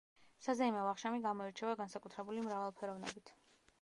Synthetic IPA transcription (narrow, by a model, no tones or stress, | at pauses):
sazaimavaχʃamiɡamɔiɾt͡ʃʰɛvaɡansakʼut̪ʰɾɛbulimɾavalˠpʰɛɾɔvnɛ̰bit̪ʰ